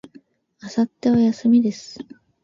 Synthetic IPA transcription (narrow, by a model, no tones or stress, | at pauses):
asat̪ːe̞βajasɨmʲid̪e̞sɨ̥